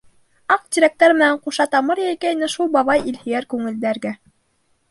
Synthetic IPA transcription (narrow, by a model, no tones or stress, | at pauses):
ɑq̚d̪ʲiɾʲek̚t̪ɑɾmɘ̆næɴquʃɑt̪ɑmɤɾjæjkæjnɘʃulˠbɑβɑjilhijæɾkʉŋɘ̆ld̪æɾɡæ